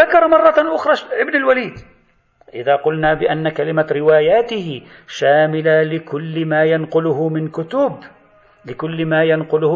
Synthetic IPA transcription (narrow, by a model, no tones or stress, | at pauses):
ðakɑɾˤɑmɑrˤːɑʔʊxɾˤɑʔɪbnalwaliːd̪ | ʔɪðaːqʊlnaːbɪʔanːakalɪmaɾɪwaːjaːt̪ɪhɪʃaːmɪlalɪkʊlːɪmaːjanqʊlʊhʊmɪnkʊt̪ʊb | lɪkʊlːmaːjanqʊlʊh